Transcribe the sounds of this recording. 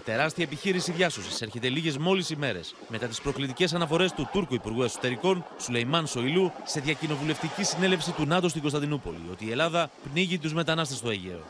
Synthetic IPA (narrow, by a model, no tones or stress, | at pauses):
t̪e̞ɾɐst̪iɐepiçiɾisiðʝɐso̞siseɾçe̞t̪e̞liʝe̞zmo̞lisime̞ɾe̞̰s | me̞t̪ɐt̪ispɾo̞klit̪ice̞sɐnɐfo̞ɾe̞st̪ut̪uɾkuipuɾɣue̞kso̞̥t̪e̞ɾiko̞nsule̞jmɐnso̞iluse̞ðʝɐcino̞vule̞ft̪icisine̞le̞fsit̪unɐt̪ost̪iɡo̞st̪ɐnd̪inupo̞̰lḭo̞t̪iːe̞lɐðɐpniʝit̪̬uzme̞t̪ɐnɐst̪e̞st̪o̞eʝḛo̞̰